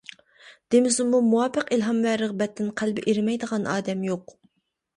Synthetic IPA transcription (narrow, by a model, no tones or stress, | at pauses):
d̪̥emɪzumːumuwɑpɨqilɦɑmvæːɾəʁbɛt̪ʰːɪnqʰælbɪʔeɾmɛjd̪əʁɑnʔɑ̰ːd̪ɛmjoq